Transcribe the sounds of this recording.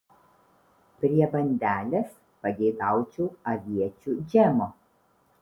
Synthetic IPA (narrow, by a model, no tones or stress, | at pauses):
pʲɾʲiɛbɐnʲd̪ʲæːlʲes | pɐɡʲɛɪɡ̪ɑˑʊt͡ʃʲuːɐʋʲiɛt͡ʃʲud͡ʒʲɛmoː